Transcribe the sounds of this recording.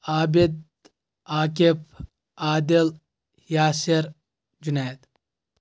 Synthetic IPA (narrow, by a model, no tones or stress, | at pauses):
aːbid̪ | aːkef | aːd̪il | jaːsɐɾ | d͡ʒunat̪